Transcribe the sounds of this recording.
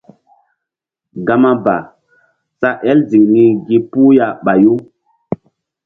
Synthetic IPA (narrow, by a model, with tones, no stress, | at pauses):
ɡa˦ma˦ba˨ | sa˦ʔɛ˦lzi˨ŋni˦ɡi˦pu˦ja˦ɓa˨ju˦